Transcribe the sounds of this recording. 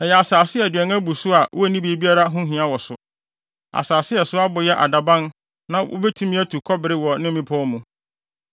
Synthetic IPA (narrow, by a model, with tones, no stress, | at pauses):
ɛ˨jɛ˨a˨saː˨sɪ˦ɛ˨dᶣɛ̃˨ŋ˦æ̃˦bu˨sʊ˦a˨wʔɔ˦æ˦˨nĩ˦bi˦bi˦a˦ɾa˦ɦʊ̃˦ɦĩ˨ã˦wɔ˨sʊ˨ | a̰˨saː˨sɪ˦ɛ˨sʊ˦a˦bʊ˨jɛ˦ʔa̰˨da˨bã˦n | nã˦o̰˦bɛ˦tʰũ˦mĩ˦æ˦tʰu˨kʰɔ˦bɪ˨ɾɪ˦wɔ˨nɪ̃˦mĩ˦pʰɔ̃˦mũ˨